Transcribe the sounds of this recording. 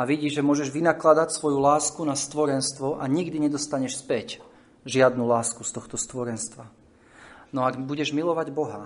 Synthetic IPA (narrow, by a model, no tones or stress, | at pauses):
aʋiɟiːʒɛmʊɔʒɛʒʋinaklad̪acsʋɔjulaːskunast̪ʋɔɾɛnst̪ʋɔʔaɲiɡd̪iɲɛd̪ɔst̪aɲɛʃspɛc | ʒɪad̪nulaːskust̪ɔxt̪ɔst̪ʋɔɾɛnst̪ʋa | nɔaɡbuɟɛʒmilɔʋaɟbɔɦa